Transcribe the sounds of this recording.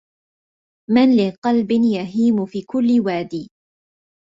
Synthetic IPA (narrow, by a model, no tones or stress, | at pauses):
manlɪqɑlbɪnjaɦiːmʊfiːkʊlːɪwaːd̪iː